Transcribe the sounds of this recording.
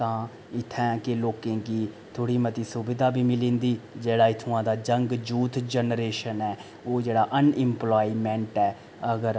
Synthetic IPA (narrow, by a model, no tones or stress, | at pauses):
t̪ãː | ɪt̪ʰːɛ̃ːkɪloːkẽːkiː | t̪ʰoːɽiːmət̪iːsʊbɪd̪aːbiːmɪlĩːnd̪iːd͡ʒeːɽaːɪt̪ʰʊãːd̪aːd͡ʒəŋɡd͡ʒuːt̪d͡ʒənɾeːʃənɛː | oːd͡ʒeːɽaːʔənɪ̃mplaːiːmɛ̃ɳʈɛː | əɡəɾ